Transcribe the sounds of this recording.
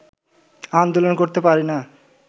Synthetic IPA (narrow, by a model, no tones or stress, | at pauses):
and̪olonkoɾt̪epaɾina